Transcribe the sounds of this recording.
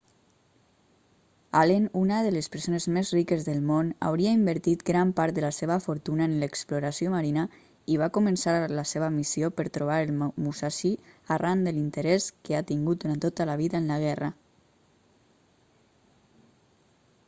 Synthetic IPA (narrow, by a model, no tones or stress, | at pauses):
alenunəðələspəɾsonezmezrikəzðəlˠmona̰wɾiəimbəɾt̪it̪ɡɾampaɾt̪d̪ələseβəfuɾt̪unəenləkspluɾasioməɾinə | iβakumənsaɾləseβəmisiopəɾt̪ɾuβ̞aɾəlˠmusaʃiarand̪əlint̪əɾɛskəat̪iŋɡut̪̚d̪uɾant̪ot̪əlaβ̞iðəənləɣɛrə